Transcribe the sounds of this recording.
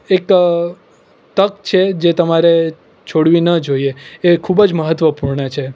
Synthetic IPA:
ek | t̪əkt͡ʃʰed͡ʒet̪əmaɾe | t͡ʃʰoɽʋinəd͡ʒoieekʰubəd͡ʒməɦət̪ʋəpuɾɳət͡ʃʰe

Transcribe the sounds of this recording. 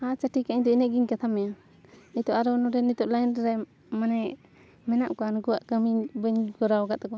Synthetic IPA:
at͡ʃaʈikaiɲt̪ɔinɛʔɡiɲkat̪ʰamːɛja | it̪ɔʔaɾɔnɔɾɛnit̪ɔʔlajnɾɛ | manɛ | mɛnaʔkɔanɡɔwaʔkəmiɲbəɲɡɔɾawɡaʔt̪ɔkɔ

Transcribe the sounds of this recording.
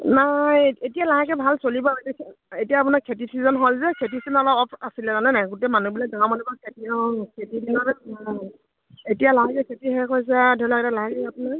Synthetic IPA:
najetijalaɦakɛbʱalsolibɔetɛkʰ | etijaːpʊnaɹkʰetiizɔnɦolzɛkʰet̬isinɔlɔpɔpʰasilɛzanɛnaɡutɛmanubilɔɡaamanibɔkʰetiɔɦɔŋkʰetidinɔɹna | etijalaɦakɛkʰetiɦɛkɔjs̬ɛdʱɔlakɛtalaɦaɡɛapuna

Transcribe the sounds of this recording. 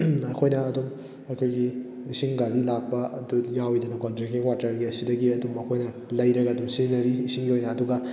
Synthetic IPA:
ɐkʰojnɐːdum | ɐkʰojɡiː | siŋɡaɾilak̚pɐdujawidɐnɐkontɾikiŋwaɾtɐɾɡiɐsidɐɡiɐdumɐkʰojnɐ | lɐjɾɐɡɐːdumsinɐɾiːsiŋɡiojnɐːduɡɐ

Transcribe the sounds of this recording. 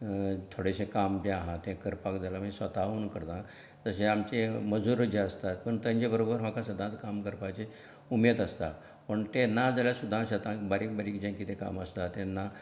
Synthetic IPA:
t̪ʰoɽeɕẽkamt̪ẽaɦãt̪ɛ̃kəɾpakd͡zalamĩsʋət̪aunkəɾt̪ã | d͡zəɕeamt͡ɕeməd͡zuɾəd͡ʑeəst̪at̪̚pəɳt̪ə̃ɲd͡ʑebəɾobəɾmakasəd̪ʱãt͡skamkəɾpat͡ɕe | umet̪əst̪a̰ | pəɳt̪enːad͡zaljasud̪ʱːãɕət̪ãkbaɾiːk̚baɾikd͡ʑẽkit̪ʰẽka̰məst̪at̪ɛ̃nːa

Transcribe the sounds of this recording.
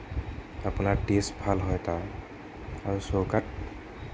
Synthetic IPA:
apʊnaɹtesbʱalɦɔjta | aɹusowkat̚

